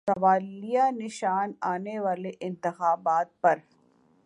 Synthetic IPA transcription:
sɐʋaːlijanɪʃaːnaːneʋaːleʔɪ̃nt̪ɪxaːbaːt̪̚pɐɾ

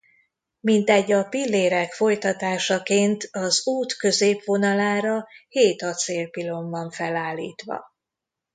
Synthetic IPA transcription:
mint̪ɛɟːɒpilːeːɾɛkfo̞jt̪ɒt̪aːʃɒkeːnt̪ɒzuːt̪kø̞zeːpʋo̞nɒlaːɾɒheːt̪ɒt̪seːlpilo̞ɱvɒɱfɛlaːlːḭːt̪ʋɒ̰

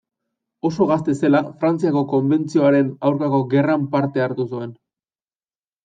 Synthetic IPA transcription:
o̞so̞ɣast̪e̞se̞lafɾant͡siako̞ko̞mbe̞nt͡sio̞aɾe̞nawɾkako̞ɣe̞rampaɾt̪e̞aɾt̪usue̞n

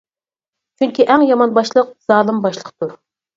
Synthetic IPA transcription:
t͡ʃʰyŋkʲiʔæŋjɑmɑnbɑʃlˠəq̚z̥ɑːlˠɨmbɑʃlˠəqt̪ʰuɾ

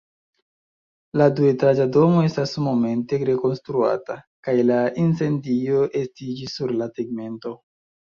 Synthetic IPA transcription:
laduetɾad͡ʒado̞mo̞e̞stasmo̞me̞nte̞ɾe̞ko̞nstɾua̰ta | kajlaʔinse̞ndio̞ʔe̞stid͡ʒisːuɾlaseɡme̞nto̞

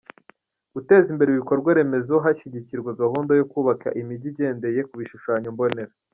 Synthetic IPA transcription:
ɡ̥ute̞ːzimbe̞ɾeiβikoɾɡwaɾe̞me̞zoɦaʃiɟiciɾɡwaɡahuːndajo̞kuːβaka̰ʔimiɟiɟe̞ːnde̞je̞kuβiʃuʃaːɲombo̞ne̞ɾa

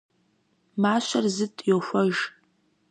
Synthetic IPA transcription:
maːʃʷɐrzɨtʼjowxʷɔʒ

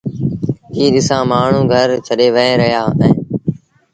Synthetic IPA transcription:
ɦiːɗɪsãːmaːɳ̤ũːɡʱəɾt͡ʃʰəɗeːʋəẽːɾəɦjaːɛ̃ː

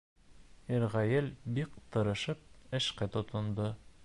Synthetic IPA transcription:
iɾʁæjɘlbikt̪ɤ̆ɾɤ̆ʃɤp̚ɘ̆ʃkæt̪ŏt̪ɤ̆nd̪ɤ

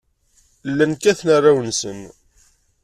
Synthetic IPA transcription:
lːænkæθnarːawənsən

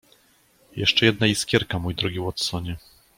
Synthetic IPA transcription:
jɛ̰ʂt͡ʂɛjɛd̪̚najiskʲjɛɾkamujd̪ɾɔɡʲiwɔt̪sɔɲɛ

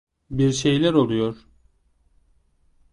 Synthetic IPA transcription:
biɾʃe̞jlʲæɾolˠujoɾ̥

